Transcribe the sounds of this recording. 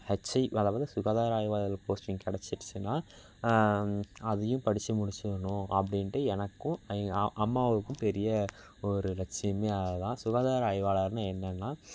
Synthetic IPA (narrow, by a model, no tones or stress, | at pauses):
hɐt͡ʃːɐɪɐðɐːbaːðɯsʊɣaːðaːɾaːjʋaːlɐlpoːsʈɪŋkɛɽɛt͡ʃːɪʈːt͡ʃːɯnːaː | ɐðɐjʊ̃pɐɽɪt͡ʃːɐmʊɽɪt͡ʃːɯʋɐɳʊ̃ɐpːɐɽɪnʈɯɛnɐkːʊ̃ʔɐmːaːʋɐʋɯkːɯ̃mpɛɾɪjɐ | ɔɾɯɾɐt͡ʃːɪjɐmeːɐɐðãːsʊɣaːðaːɾaːjʋaːlaɾnaɛnːɐnːaː